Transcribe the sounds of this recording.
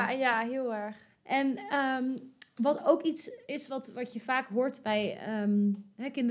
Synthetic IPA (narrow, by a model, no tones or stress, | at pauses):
jaɦɪlˠɛɹχ | ʔɛnəmʋɑtowkitsɪsʋɑtʋɑtjəvaːkɦʊːɹtbɛjəɦɛkɪnd